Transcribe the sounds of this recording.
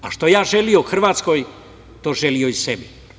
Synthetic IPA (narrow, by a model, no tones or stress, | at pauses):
aʃt̪ojaːʒelijoxr̩ʋaːt̪skoj | t̪oːʒelijoisebi